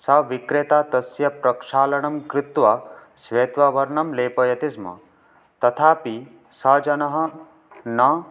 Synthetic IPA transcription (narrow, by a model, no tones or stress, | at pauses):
sɐʋikɾet̪aːt̪ɐsjɐpɾɐkʂaːlɐɳ̃ɐmkɾɪt̪ʋasʋeːt̪ʋɐʋɐɾɳɐmleːpɐjɐt̪ismɐ̰ | t̪ɐt̪ʰaːpi | sɐd͡ʒɐnɐɦɐ̆ | nɐ